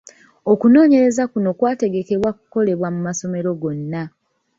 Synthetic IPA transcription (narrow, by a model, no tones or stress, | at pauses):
o̞kuno̞ːɲe̞ɾe̞zakuno̞kwaːte̞ɡe̞ke̞βwaku̥ko̞le̞βwamumaso̞me̞ɾo̞ɡo̞nːa